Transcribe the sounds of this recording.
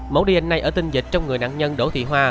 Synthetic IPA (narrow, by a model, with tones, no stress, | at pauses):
mo̰˨˦ɗi˧ï˨˩ŋ̟na˧jʔəː˧˩t̪ï˧ŋ̟zï˨˩k̟̚t͡ɕɔ˧wŋ͡mŋɨ˨˩əjna̰ː˧˨ŋɲə˧nɗo˧˥˦t̪ʰḭ˧˨ɦwaː˧